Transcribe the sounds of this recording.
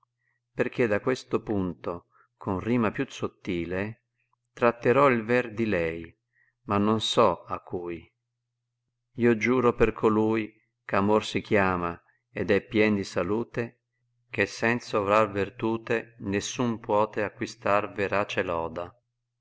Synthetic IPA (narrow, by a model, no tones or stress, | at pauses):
perk̟ed̪akwest̪opunt̪o | kʰonriːmapjusot̪ːiːle | t̪ɾat̪ːeɾɔilvɛrd̪ilɛj | manːonsɔakʰːuːj | iːod͡ʒuːɾoperkʰoluːj | kamorsikjaːma | ɛd̪ɛpːjɛnd̪isaluːt̪e | k̟esːɛnt̪sovɾarvert̪uːt̪enesːumpwɔːt̪eakːwist̪arveɾaːt͡ʃelɔːd̪a